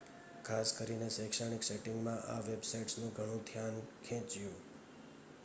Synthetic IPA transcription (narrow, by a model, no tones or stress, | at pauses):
kʰaskəɾinesɛ̃kʃaɽ̃ikseʈɪŋɡmãʔaʋebsajʈsnũɡʱəɽ̃ũd̪ʱjankʰɛ̃t͡ʃjũ